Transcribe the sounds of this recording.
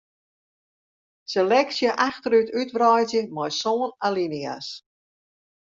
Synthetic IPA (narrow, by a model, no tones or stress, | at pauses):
selɛksjəʔaxtəɾytʰytʋrɔjzjəmɔjsoːnalinia̰s